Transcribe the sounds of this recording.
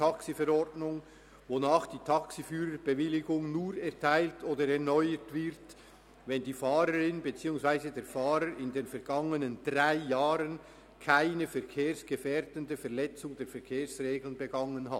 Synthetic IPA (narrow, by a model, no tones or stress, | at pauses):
tʰɑksifɛɾɔɾdnʊŋ | vonaːχd̥iːtʰɑksifyːɾəbəvɪlɪɡʊŋnuːɾɛɐtʰaɪltoːdəɾɛɐnɔʏətvɪɾt | vɛndiːfaːɾəɾɪnbet͡siːʊŋsv̥aɪzədeːɐfaːɾəɾɪndeːnfɛʁɡ̥ɑŋənəndʁaɪjaːɾən | kʰaɪnəfɛʁkʰeːɾsɡ̥əfeːɾdəndəfɛʁlɛt͡sʊŋdeːɐfɛʁkʰeːsreːɡl̩nbəɡɑŋənɦat